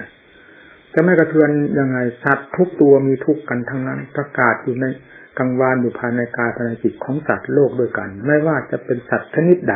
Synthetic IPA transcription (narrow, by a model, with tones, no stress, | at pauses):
t͡ɕa˨ma˥˩jka˧t̪ʰɯ˧ənjaː˧ŋːa˧jsa˨˩t̪ʰːu˦˥k̚t̪u˧ɐmiː˧t̪ʰu˦˥kːa˧nt̪ʰa˦˥˩ŋna˦˥˨npɾa˧kaː˨˩t̪̚juː˨˩na˧jka˧ŋwaː˧njuː˨˩pʰaː˧jna˧jkaː˧jpʰa˧naː˧ki˨˩t̪̚kʰɔː˩˦ŋsa˨˩t̪̚loː˥˩k̚du˧˥˩əjka˧nmɛː˥˩jwaː˥˩t͡ɕa˨˩pe˧nsa˨˩t̪̚t͡ɕʰa˧˥ni˦˥t̪̚da˧˩